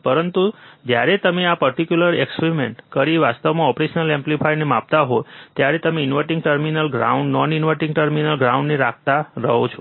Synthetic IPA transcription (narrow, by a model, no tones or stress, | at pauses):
pəɾənt̪ud͡ʒjaɾet̪əmeapəɾʈ̪ikjuləɾekspeɾimeɳʈkəɾiʋast̪əʋmãɔpɾeʃənəlɛ̃mplifajnemap̚t̪aɦot̪jaɾet̪əmẽɪnʋəɾʈĩŋɡʈəɾminəlɡɾa̰uɳɖnɔninʋəʈĩŋɡʈəɾminəlɡɾauɳɖneɾak̚ʰt̪aɾəɦot͡ʃʰo